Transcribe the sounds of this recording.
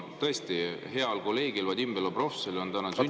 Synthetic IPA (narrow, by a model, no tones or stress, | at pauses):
t̪ɤ̞est̪ihe̞ɑlko̞lːe̞ːɡilvɑd̪ʲimbeloprofsolio̞nt̪ænɑsy